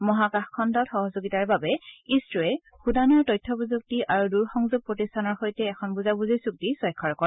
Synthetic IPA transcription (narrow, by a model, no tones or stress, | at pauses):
mɔɦakaxkʰɔndɔtxɔɦɔzoɡitaɹbabɛistɹɔɛ | xudanɔɹtɔjtʰːɔbuzuk̚tiʔaɹuduɹxɔŋzoɡ̚pɹotistʰanɔɹxojtɛːkʰɔnbuzabuzisuk̚tisɔjkʰːɔɹkɔɹ